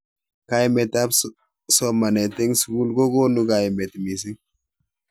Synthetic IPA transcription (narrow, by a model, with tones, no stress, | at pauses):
ka˦imɛ˨ta˦p | sɔ˦ma˨nɛ˨te˦ŋsku˦lko˦ɡo˦nu˦ka˨jmɛ˨tmi˨s̬i˦ŋ